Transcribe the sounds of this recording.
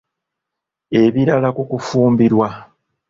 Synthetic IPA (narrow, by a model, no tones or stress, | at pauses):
e̞βiɾalakukufuːmbiɾwa